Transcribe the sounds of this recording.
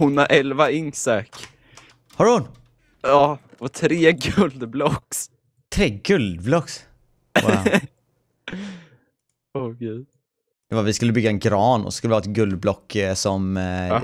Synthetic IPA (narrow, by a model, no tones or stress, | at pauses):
hʊnːaʔɛlvaɪŋsakː | hɑɾhʊn | ɑː | ɔt̪ʰɾeːɡɵld̪blɔks | t̪ʰɾeːɡɵld̪̚blɔks | ɔkʰɛj | d̪̥ɛvavɪskɵlːəbʏɡːaɛnɡɾɑːnɔ̰skɵlːʋɪhɑːɛt̪̚ɡɵld̪̚blɔkːsɔm